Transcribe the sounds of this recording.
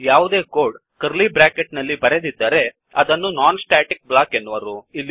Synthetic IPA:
jaːʋud̪e̞ːkoːɾɖ | kɐɾlibɾaːkeʈnɐlːibɐɾe̞d̪id̪ːaːɾe̞ | ɐd̪ɐnːunaːnsʈaːʈik̚blaːkenːuʋɐɾuilːi

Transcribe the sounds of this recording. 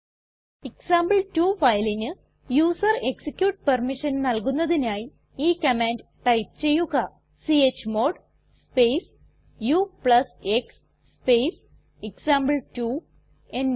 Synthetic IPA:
eksaːmbɨltuːfɐjlinɨ | juːsɐreksikʲjuːʈ̚pɐrmiʂɐnnɐlkunːɐðinaːji | iːkɐmaːndʈɐjp̚t͡ɕe̞jːuɣɐ | siet͡ɕːmoːɖ | speːs | jupɭɐseksː | pejs | eksaːmbɨltu | en

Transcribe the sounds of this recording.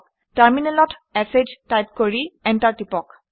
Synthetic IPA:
taɹminɛlɔtɛsed͡ʒtajt̚koɹiɛntaɹtipɔk

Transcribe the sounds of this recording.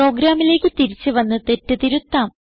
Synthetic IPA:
o̞ːɡɾaːmile̞ːkʲːɨt̪iɾit͡ɕːɨʋɐnːɨt̪e̞tːɨt̪iɾut̪ːaːm

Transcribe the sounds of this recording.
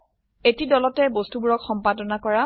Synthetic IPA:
etidɔlɔtɛbostubuɹɔkxɔmpadɔnakɔɹa

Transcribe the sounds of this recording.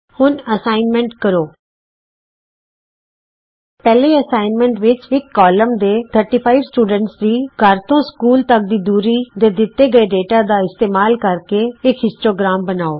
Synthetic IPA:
hʊnəsaːɪnmɛ̃ɳʈkəɾoː | pɛːleːəsaːɪnmɛ̃ːɳʈʋɪt͡ʃɪkːɔːləmd̪eːt̪ʰəɾʈiːpʰaːiʋsʈuːɖəɳʈsd̪iːɡʱəɾt̪õːskuːlt̪ək̚d̪iːd̪uːɾiːd̪eːd̪ɪt̪ːeːɡəeːɖeːʈaːd̪aːɪst̪eːmaːlkəɾkeːɪkɦɪsʈɾoːɡɾaːmbənaːoː

